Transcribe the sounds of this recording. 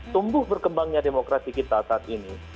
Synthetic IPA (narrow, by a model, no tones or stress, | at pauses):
t̪umbʊhbərkəmbaŋɲademokɾat̪ikit̪asaat̪ini